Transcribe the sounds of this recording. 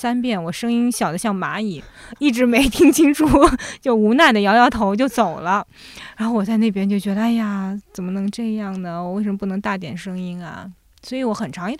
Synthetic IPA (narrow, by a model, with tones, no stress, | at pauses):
sa˥npjɛ˥˩nwɔ˨˩ʂɤ˥ŋi˥nɕjɑ˨˩ʊd̪ə˦ɕjɑ˥˩ŋma̰˧˥i˨˩˦ | i˥˩ʈ͡ʂɻ̩˧˥me˧˥ɪt̪ʰi˥ŋt͡ɕʰi˥ŋʈ͡ʂʰu˥˩˥t͡ɕjo˥˩ʊu˧˥na˥˩d̪ə˩jɑ˧˥ʊjɑ˥˩ʊt̪ʰo˧˥ʊt͡ɕjo˥˩ʊt͡so˨˩ʊlə˦ | ɻa˨˧˥xo˥˧ʊwɔ˨˩t͡sa˥˧ɪne˥˩pjɛ˥nt͡ɕjo˥˩ʊt͡ɕɥɛ˧˥d̪ə˧a˥˩ɪa˩t͡sə˨˩mə˦nɤ˧˥ŋʈ͡ʂɤ˥˧jɑ˥˩ŋnə˩wɔ˨˩we˥˩ɪʂə˧mə˥p̬u˥˩nɤ˧˥ŋt̪a˥˩t̪jɛ̰˨˩nʂɤ˥ŋi˥nɐ̰˨ | swɔ˧˥i˧˥wɔ˧˥xə˨˩nʈ͡ʂʰɑ˧˥ŋi˥